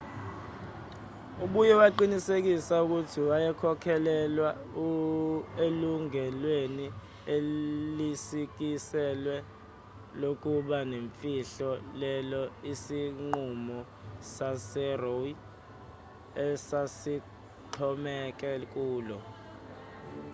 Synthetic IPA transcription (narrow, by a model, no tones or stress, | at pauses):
uɓujɛwaǃinisek̬isauk̬utʰiwajɛkʰɔkʰɛlɛlwa | u | eluŋɛlweni | elisik̬isɛlwɛ | lok̬uɓaneɱfiɬɔlɛlɔisiŋ͡ǃumɔ | sasɛroi | ɛsasi | ǃʰɔmɛk̬ɛk̬uːlɔ